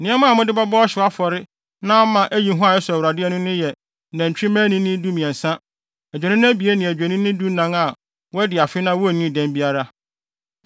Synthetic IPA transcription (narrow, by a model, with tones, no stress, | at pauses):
nɪ̃˦ɛ˦mʊ̃˦a˨mʊ̃˦dɪ˦ba˦bɔ˦ɔ˦ɕɪ˨a˦fɔ˨ɾɪ˦ | nã˦mã˨ʔæ˦ji˨˦ɦʊ̃˦a˨jɛ˦sʊ˨æ˨wɾa˨dɪ˦ɛ˦nʊ̃˦nʊ̃˦jɛ˨ | næ̃˨ɲ̩˨t͡ɕᶣĩ˦mæ̃˦nɪ̃˦nɪ̃˦du˦mĩ˨ɛ̃˨n̩˨sã˦ | ɛ˨d͡ʑᶣɛ˨nɪ̃˦ñ˦æ˦bi˨e˦nɪ̃˨æ˨d͡ʑᶣæ˨nɪ̃˦nɪ̃˦du˦nã˦ŋa˨ | wɔ˦ɛ˦dɪ˨a˨fɪ˦nã˦wɔ˦æ˨nĩ˦˨dæ̃˦mbi˦a˦ɾa˦